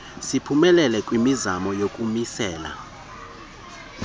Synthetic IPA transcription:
sipʰumɛlɛlɛkʼwimizamɔjokʼumisɛːla̰

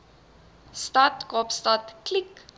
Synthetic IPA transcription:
statkɔpstatklik

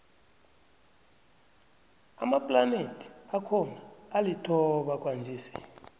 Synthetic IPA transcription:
a̰mapʼlanetʰi̥akʰɔnaːlitʰɔɓakʼwand͡zʱiːsi̥̰

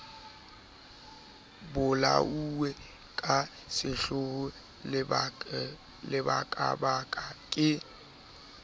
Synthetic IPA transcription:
bʊla̰uwɛ | kʼa | sɪɬʊɣʊ | lɪbakʼa̰bakʼakʼɪ

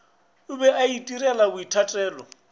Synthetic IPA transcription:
ʊbɛʔaitʼirɛlakʊitʰatʼɛːlɔ̰

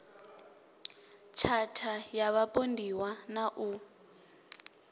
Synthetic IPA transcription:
t͡ʃʰatʰajaβapʼondʱiwanaʔu

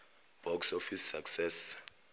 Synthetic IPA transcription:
b̥ʱɔksofisːaksɛs

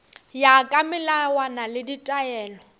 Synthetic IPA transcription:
jakʼamɪlawanalɪditʼaɛːlɔ

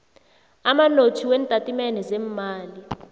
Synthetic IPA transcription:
amanotʰiwɛntʼatʼimɛnɛzɛmmaːli

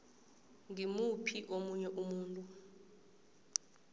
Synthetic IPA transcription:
ŋimupʰiʔomuɲɛʔumuːntʼu

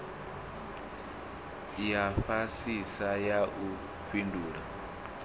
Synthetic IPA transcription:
jaɸasisajaʔu | ɸinduːɺa

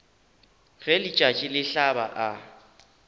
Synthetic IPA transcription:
ɣelit͡ʃʼat͡ʃʼɪlɪɬaba̰ʔa

